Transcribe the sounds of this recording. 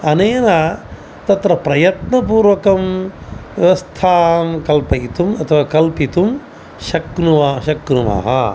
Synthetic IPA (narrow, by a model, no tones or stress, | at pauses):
ɐneːna | t̪ɐt̪ɾɐpɾɐjɐt̪nɐpuːɾʋɐkɐmʋjɐʋɐst̪ʰaːmkɐlpɐjit̪umɐt̪ʰɐʋaːkɐlpit̪um | ʃɐknuʋɐʃɐknuma̰ːɦɐ̰